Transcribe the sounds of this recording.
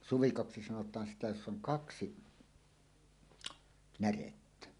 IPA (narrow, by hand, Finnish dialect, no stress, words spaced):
suʋikoksi sɑnotˑɑːn sitæ josː oŋ kɑksi næretːæ